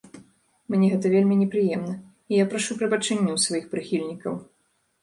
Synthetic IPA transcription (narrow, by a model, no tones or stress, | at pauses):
mnʲɛɣɛt̪̬ɐvʲelʲmʲinʲɛpɾɨjɛmnɐ | ijapɾaʂupɾɐbat͡ʂɛnʲːɛwsvajixpɾɨxʲilʲnʲikɐw